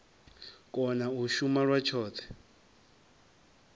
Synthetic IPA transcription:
kʼɔnauʃumaɺwat͡ʃʰɔːt̪ʰɛ̥

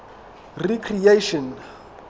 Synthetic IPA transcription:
rikʰrieʃɔn

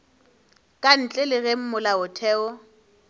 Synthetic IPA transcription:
kʼan̩t͡ɬʼɛlɪɣem̩mʊlaʊtʰɛːɔ

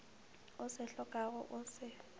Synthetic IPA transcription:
ʊsɪɬɔkʼaɣʊʔʊsɪ

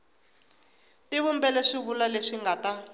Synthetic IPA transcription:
tiβumbɛlɛʂiβulaleʂiŋɡata

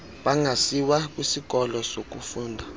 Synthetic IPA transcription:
ɓaŋɡʱasiwak̬ʼwisik̬ʼɔlɔsok̬ʼufuːndʱa

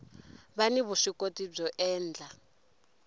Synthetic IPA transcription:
βaniβuʂikotʼib͡ʐɔʔɛːnd͡ɮʱa

